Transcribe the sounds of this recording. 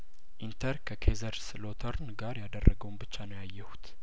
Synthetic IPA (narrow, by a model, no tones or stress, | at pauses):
ʔint̪ʰəɾkʰəkʰezəɾslo̞t̪ʰəɾnɡaɾjad̪ərːʔəɡəwnbɨt͡ʃːanəjajːɛhut̪